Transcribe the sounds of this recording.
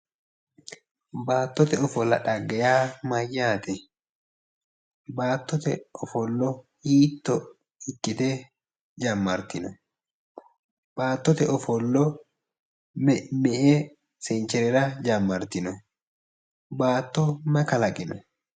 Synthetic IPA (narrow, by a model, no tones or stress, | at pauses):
baːt̪ːɔt̪ɛɔfɔlːɐᶑɐɡːɛjaːmɐjːaːt̪ɛ | baːt̪ːɔt̪ɛ̰ʔɔfɔlːɔ | hiːt̪ːɔ | ɪkʼːɪt̪ɛ | d͡ʒɐmːɐɾt̪ɪnɔ | b̥aːt̪ːɔt̪ɛɔfɔlːɔ | mɛʔɛ | sɛnt͡ʃːɛɾɛɾɐd͡ʒɐmːɐɾt̪ɪnɔ | baːt̪ːɔmɐkɐlɐkʼɪnɔ